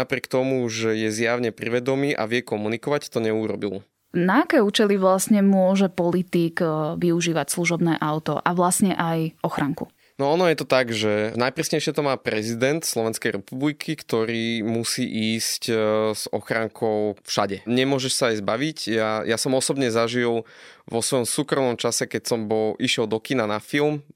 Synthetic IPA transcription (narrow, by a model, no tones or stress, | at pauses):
napɾɪɛkt̪ɔmuʒɛjɛzjaʊɲɛpɾiʋɛd̪ɔmiːʔa̰ʋɪɛkɔmunikɔʋact̪ɔɲɛuɾɔ̰bḭl | naːkɛːuːt͡ʃɛliʋlasɲɛmʊɔʒɛpɔlit̪iːɡʋiuʒiːʋacsluʒɔbnɛːʔaʊt̪ɔ̰ʔaʋlasɲɛʔajɔxɾaŋkṵ | nɔɔnɔjɛt̪ɔt̪aɡʒɛnajpɾisɲɛjʃɪɛt̪ɔmaːpɾɛzid̪ɛnt̪slɔʋɛnskɛjɾɛpublikʰikt̪ɔɾiːmusiːʔiːscz̥ɔ̰xɾaŋkʰɔʊfʃa̰ɟɛɲɛmʊɔʒɛʃsaajzbaʋicjaːjasɔmɔsɔbɲɛzaʒilʋɔsʋɔjɔmsuːkɾɔmnɔmt͡ʃasɛkɛcsɔmbɔliʃɪɛlˠd̪ɔkinanafilˠm